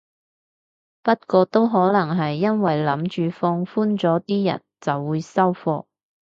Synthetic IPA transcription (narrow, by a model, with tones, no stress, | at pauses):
pɐ˥t̚kɔː˧t̪o˥wɦɔː˨˥lɐ˨˩ŋɦɐ˨jːɐ˥nwɐ˨jlɐ˨˥mt͡ʃyː˨fɔː˧ŋfuː˥nt͡sɔː˨˥t̪iː˥jɐ̰˨˩nt͡sɐ˨wːuː˨˧jsɐ˥wfɔː˧